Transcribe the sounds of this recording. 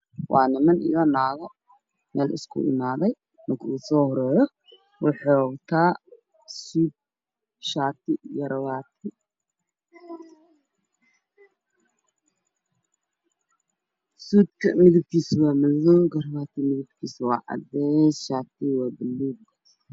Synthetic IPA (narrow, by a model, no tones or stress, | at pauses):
waːnɐmɐnɪ̰jɔnaːɣɔ | mɛːlɪ̰skʰʊ̰ʔɪ̰naːðɛj | mɐkʰusɔhʊɾɔjɔ | wʊħɔɡt̪ʰaː | sud̪̚ | ʃaːt̪ɪjɐɾɐwaːt̪ʰɪ | suːd̪kʰɐmɪðɪb̚kʰiːswamɐzɔɡɐɾβaːt̪ʰimɪðɪbkʰiːswa̰ːʕa̰d̪ɛsʃaːt̪iwabɪlːuːɡ